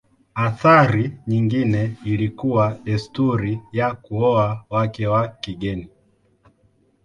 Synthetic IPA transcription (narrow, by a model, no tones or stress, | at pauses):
aθaɾiɲiŋɡinɛilikuwaɛstuɾijakuɔawakɛwakiɡɛni